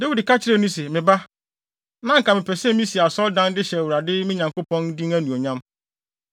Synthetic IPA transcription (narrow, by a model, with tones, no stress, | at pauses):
de˦wi˨dka˦t͡ɕʰɪ˦ɾe˦nũ˦s̬ɛ˨mɪ̃˨ba˦ | nã˦ŋ̩˨ka˨mɪ̃˨pʰɛ˨sɛ̃˦mĩ˦si˨a˨sɔ˦ldã˦ndɪ˦ɕɛ˨wu˨ɾa˨dɪ˦mɪ̃˦ɲã˨ŋko˦pɔ̃˦n˦dĩ˦ŋæ˦nũ˨o˨ɲã˦m